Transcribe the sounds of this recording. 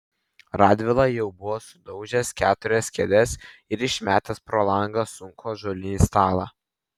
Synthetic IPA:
ɾɑːd̪ʲʋʲɪlˠɑjɛʊbʊʋoːsʊd̪ɒʊʒʲɛskʲæːt̪ʊɾʲɛskʲɛlʲɛsɪɾɪʃʲmʲæːt̪ʲɛspɾoːlˠɐŋɡɐsʊŋkʰoːʒoːlʲɪnʲiːst̪ɑːlˠɑ̰ː

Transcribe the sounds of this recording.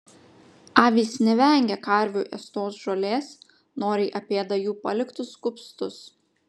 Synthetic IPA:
ɑːʋʲiːsnʲɛʋʲɛˑŋʲɡʲɛkɐˑɾʲʋʲuːʔɛst̪oːsʒoːlʲeːs | noːɾʲɪɪʔɐpʲeːd̪ɐjuːpɐlʲɪkt̪ʊskʊpst̪ʊs

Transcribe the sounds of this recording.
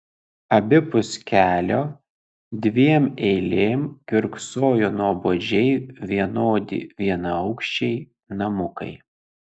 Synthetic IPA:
ɐbʲɪpʊsʲkʲæːlʲoː | d̪ʲʋʲiɛmɛɪlʲeːmkʲɪɾksoːjonuɔboːd͡ʒʲɛɪʋʲiɛnoːd̪ʲɪ̰ʋʲiɛnɐɐʊkʃʲt͡ʃʲɛɪ | nɐmʊkɐ̰ɪ

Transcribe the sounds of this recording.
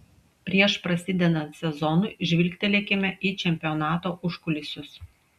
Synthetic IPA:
pʲɾʲiɛʃpɾɐsʲɪːd̪ʲɛnɐnt̪sʲɛzɔnuˑʔɪʒʲʋʲɪlʲkʲt̪ʲɛlʲɛkʲɪmʲɛʔiːt͡ʃʲɛmʲpʲɪonɑːt̪oːʔʊʃkʊlʲɪsʲʊs

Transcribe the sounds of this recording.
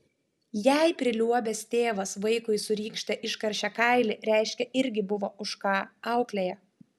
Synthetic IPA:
jæɪpʲɾʲɪlʲuɔbʲɛst̪ʲeːʋɐsʋɐɪkʊɪsʊɾʲiːkʃʲt̪ʲɐʔɪʃkɐɾʲʃʲɛkɐˑɪlʲɪɾʲæˑɪʃʲkʲɛʔɪɾʲɡʲɪbʊʋoːʊʃkɑːɐʊklʲejɛ

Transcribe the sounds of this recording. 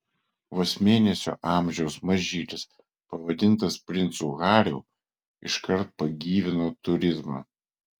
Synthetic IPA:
ʋosʲmʲeːnʲɛsʲo̰ːʔɑːˑmʲʒʲɛʊsmɐʒʲiːlʲɪs | pɐʋɐd̪ʲɪnˑt̪ɐspʲɾʲɪnt̪suːɣɑːɾʲɛ̰ʊ | ɪ̰ʃkɐɾt̪̚pɐɡʲiːʋʲɪnoːt̪ʊɾʲɪzmɑ̰ː

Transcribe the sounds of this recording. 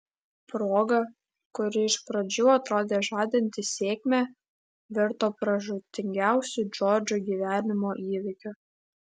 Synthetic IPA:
pɾoːɡɐ | kʊɾʲɪɪʃpɾɐd͡ʒʲuːɐt̪ɾoːd̪ʲeːʒɑːd̪ʲɪnʲt̪ʲɪsʲeːkʲmʲæ | ʋʲɪɾt̪oːpɾɐʒʊt̪ʲɪŋʲɡʲæˑʊsʲʊd͡ʒoːɾʲd͡ʒʲoɡʲiːʋʲæːnʲɪmoːʔiːʋʲɪkʲʊ

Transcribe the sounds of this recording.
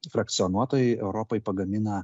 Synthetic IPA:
fɾɐk̚t̪sʲɪɔnuɔt̪oːjɛɪɛʊɾɔpɐɪpɐɡɐmʲɪnɐ

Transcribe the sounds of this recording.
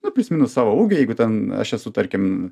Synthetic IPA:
nʊpʲlʲʊsʲmʲɪnʊssɑːʋouːɡʲʊjɛɪɡʊt̪ʲɛnɐ̰ʃɛsʊt̪ɐɾʲkʲɪm

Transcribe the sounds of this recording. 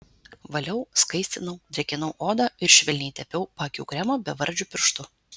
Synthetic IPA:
ʋɐlʲɛʊskɐɪsʲt̪ʲɪnɐʊd̪ʲʋʲɛkʲɪnɐʊʔoːd̪ɑːɪɾʃʲʋʲɛlʲnʲiːt̪ʲɛpʲɛʊpɑːkʲṵːɡɾʲɛmoːbʲɛʋɐɾʲˑd͡ʒʲʊpʲɪɾʃt̪ʊ

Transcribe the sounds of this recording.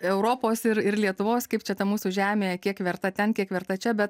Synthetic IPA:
ɛʊɾoːpoːsɪɾɪrlʲiɛt̪ʊʋoːskɐɪpt͡ʃʲɛt̪ɐmuːsuːʒʲæːmʲeːjɛkʲiɛkʋʲɛrt̪ɐt̪ʲɛnkʲiɛkʋʲɛɾt̪ɐt͡ʃʲɛbʲɛt̪̚

